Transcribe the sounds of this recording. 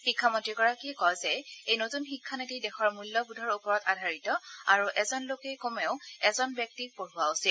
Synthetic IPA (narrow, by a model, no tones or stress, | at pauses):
xikʰːamɔntɹikɔɹakikɔjzɛejnotunxikʰːanetidɛxɔɹmulːɔbudʱɔɹupɔɹɔtadʱaɹitɔaɹuʔɛzɔnlokɛkomeʊɛzɔnbjɔk̚tik̚poɹʊaʊsil